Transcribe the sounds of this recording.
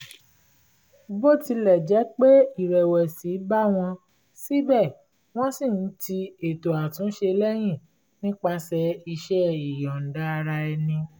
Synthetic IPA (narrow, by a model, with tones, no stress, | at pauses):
bo˦˨ti˧lɛ˨d͡ʒɛ˨˦k͡pe˦i˦˨ɾɛ˨wɛ˨si˨˦ba˦w̃ɔ̃˧ | si˦bɛ˦˨ | w̃ɔ̃˦sĩ˦˨n̩˦ti˧e˨to˨a˨tũ˨˦ʃe˧lɛ˦j̃ĩ˦˨ | nĩ˦k͡pa˧sɛ˧i˧ʃɛ˦i˨jɔ̃˨n̩˨da˦a˧ɾa˧ɛ˧nĩ˧